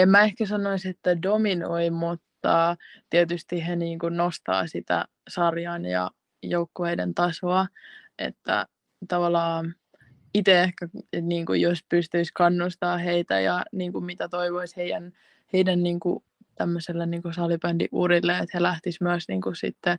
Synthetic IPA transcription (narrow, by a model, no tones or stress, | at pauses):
emmæehkæsɑnoiset̪ːædominoimut̪ːɑt̪iet̪yst̪iɦeniːŋkunnost̪ɑ̰ːsit̪æ̰ | sɑrjɑnjɑ̰ | joukːoheidḛnt̪ɑsoɑʔḛt̪ːæ̰ | t̪ɑʋɑlːɑː | it̪eehkæniːŋkṵjospyst̪yiskɑnːust̪ɑːheit̪æ̰jɑ̰niːŋkummit̪æt̪oiʋoisheijæn | heidænːiːŋku | t̪æmːøselːeniːŋkusɑlipændḭʔuɾilːeet̪helæht̪ismyæsnḭːŋkussḭt̪ːe